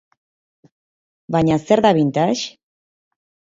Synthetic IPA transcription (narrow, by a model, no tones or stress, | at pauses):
baɲaseɾðaβint̪aʃ